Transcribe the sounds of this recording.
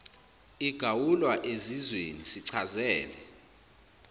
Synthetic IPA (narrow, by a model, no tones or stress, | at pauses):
iɡ̥ʱawulwaʔezizwenisiǀʰazɛːlɛ